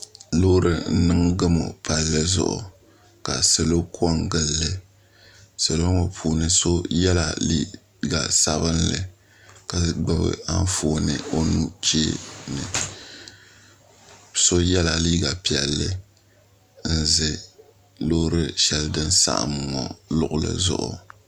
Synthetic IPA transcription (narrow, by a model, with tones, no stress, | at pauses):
lo˦hɾɨ˦n̩˦nɨ˦ŋɡɨ˦mo̰˨pa˨lːɨ˦zʊ̰˦˨ʔʊ̰˨ | ka˨sɨ˨lo˦kʰɔ˦ŋɡɨ˦lːɨ˨ | sɨ˨lo˦ŋɔ˨pʰuː˨nɨ˦so˦jɛ˦la˨liː˦ | ɡa˨sa˨bɨ˦nlɨ̰˨ | ka˨ɡ͡bɨ˦bɨ̰˨a˦n˦foː˨˦nɨ˨o˦nu˦t͡ʃe˦nɨ˨ | so˦jɛ˦la˨liː˦ɡa˨pi˨ɛ˨lːɨ˦ | n̩˦zɨ˨ | lo˦ɾɨ˦ʃɛ˦ldɨ˦nsa̰˦ʔa̰˨m˨ŋɔ˨lʊ˨ʔʊ˦˨lɨ̰˨zʊ̰˦˨ʔʊ̰˨